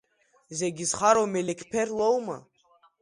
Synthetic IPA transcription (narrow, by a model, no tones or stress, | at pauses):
zɛɡizχaɾomɛlɛkʰpʰɛrlowma̰